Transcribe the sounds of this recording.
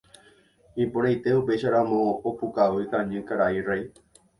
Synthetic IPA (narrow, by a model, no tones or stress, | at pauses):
ipoɾajt̪eupeʃaɾãmõopukaɨt̪ãɲɨ̃kaɾairaj